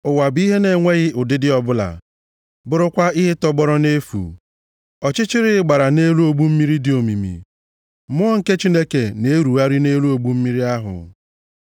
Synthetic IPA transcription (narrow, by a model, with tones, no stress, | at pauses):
ʊ˨wa˨bi˦ɦe˦ne˨ŋʷe˦ɣɪ˦ʔʊ˨dɪ˦dɪ˦ɔ˨bʊ˦la̰˨ | bʊ˦ɾʊ˦kʷa˦ɪ˦ɦe˦tɔ˦ɡ͡bɔ˦ɾɔ˦ne˦fṵ˨ | ɔ˨t͡ʃɪ˦t͡ʃɪ˦ɾɪ˦ɪ˦ɡ͡ba˨ɾa˨ne˦lu˦o˨ɡ͡bu˦m̩˦mi˦ɾi˦dɪ˨o˨mi˨mḭ˨ | m˦ɔ˦ŋ̩˦˨ke˦t͡ʃi˦ne˦ke˨ne˨˦ɾu˨a˦ɾi˦ne˦lu˦o˨ɡ͡bu˦m̩˦mi˦ɾi˦a˦ɦʊ̰˨